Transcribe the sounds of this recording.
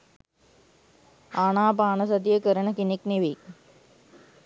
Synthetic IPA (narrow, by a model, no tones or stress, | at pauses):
aːɳaːpaːɳɐsɐd̪ijekəɾɐnɐkinikniʋik